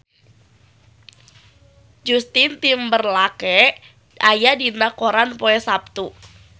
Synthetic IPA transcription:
d͡ʒust̪ɪnt̪imbərlakɛ | ajadinakoɾanpoɛsap̚t̪u

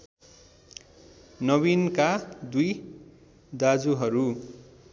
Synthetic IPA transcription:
nʌβinkad̪uj | d̪ad͡zuɦʌɾu

